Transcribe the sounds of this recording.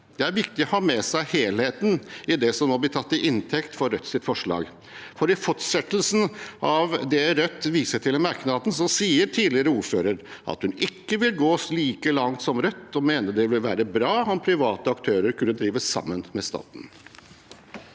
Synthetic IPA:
d̪̥ɛæɾʋɪkt̪ɪɔhɑːmɛsæɪheːlheːt̪nɪd̪ɛsɔmnoːblɪt̪ʰɑt̪ːɪʔɪnt̪ʰɛkt̪fɔɾœt̪ːsɪt̪fɔʂɭɑ̰ːɡ | fɔɾɪfɔʈʂɛt̪əlsn̩ʔɑʋd̪ɛɾœt̪ːʋiːsəʈʰɪlmɑɾknɑːd̪ən̩sɔsiːəɾʈʰiːd̪lɪəɾəuːɾføːɾəɾʔɑ̰t̪hʉnɪkːəʋɪlɡoːsliːkəlɑŋt̪sɔmɾœt̪ːɔmeːnəd̪ɛʋɪlʋæ̰ːɾəbɾɑːɔmpʰɾɪʋɑːt̪əɑkt̪ʰøːɾəɾkʰʉnːəd̪ɾiːʋəssɑ̰mːənmɛst̪ɑ̰ːt̪n

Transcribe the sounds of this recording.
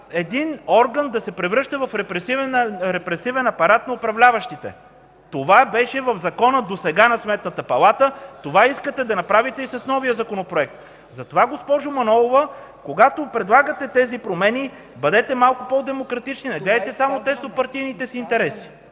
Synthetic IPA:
ɛd̪inɔɾɡənd̪ɐsɛpɾɛvɾɤʃt̪ɐvɐfɾɛpɾɛsivɛnɾɛpɾɛsivɛnɐpɐɾat̪nɐopɾɐvlʲavəʃt̪it̪ɛ̰ | t̪ovabɛʃɛvɐvzɐkɔnəd̪osɛɡanɐsmɛt̪nət̪əpɐlˠat̪ət̪ovaiskət̪ɛd̪ɐnɐpɾavit̪ɛisɐsnɔvijəzɐkonopɾoɛk̚t̪ | zɐt̪ovaɡospɔʒʊmɐnɔlˠovə | koɡat̪opɾɛd̪lˠaɡət̪ɛt̪ɛzipɾomɛni | bɐd̪ɛt̪ɛmalˠkʊpɔd̪ɛmokɾɐt̪it͡ʃninɐɡlɛd̪t̪ɛsamot̪ɛst̪opɐɾt̪ijnit̪ɛsint̪ɛɾɛsi̥

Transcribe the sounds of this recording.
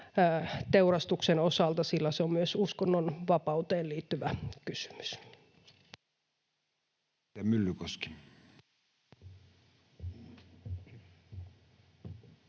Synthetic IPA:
t̪eurɑst̪uksenosɑlt̪ɑsilːæseommyøsuskonːonʋɑpɑut̪eːlliːt̪ːyʋækysy̥my̥s | æmylːykoski̥

